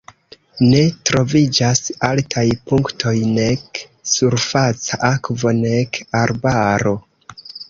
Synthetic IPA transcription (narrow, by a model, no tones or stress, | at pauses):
ne̞tɾo̞vid͡ʒasaltʰajpuŋktʰo̞jne̞k | suɾfat͡saʔakvo̞ne̞kaɾbaɾo̞